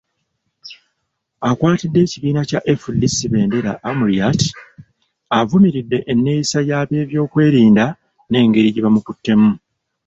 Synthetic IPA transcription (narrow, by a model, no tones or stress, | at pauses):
akwaːtidːe̞ːciβiːnacaʔefudːisiβe̞ːnde̞ɾaʔːmuɾiati̥ | avumiɾidːe̞ʔenːe̞jisajaːβe̞ːβjo̞ːkwe̞ːɾiːnda | ne̞ːŋɡe̞ɾiɟiβamukutːe̞mu